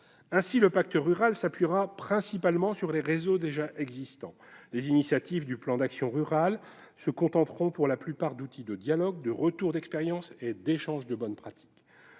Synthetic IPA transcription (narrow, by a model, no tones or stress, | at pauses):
ɛ̃siləpak̚t̪əʁyʁalsapɥiʁapχɛ̃sipalmɑ̃syʁleʁezod̪eʒaʔɛɡzist̪ɑ̃lezinisjat̪ivd̪yplɑ̃d̪aksjɔ̃ʁyʁal | səkɔ̃t̪ɑ̃t̪χɔ̃puʁlaplypaʁd̪ut̪ʰid̪əd̪jalɔɡ̚d̪əʁət̪uʁd̪ɛkspeʁjɑ̃sed̪eʃɑ̃ʒd̪əbɔnpχat̪ʰi̥k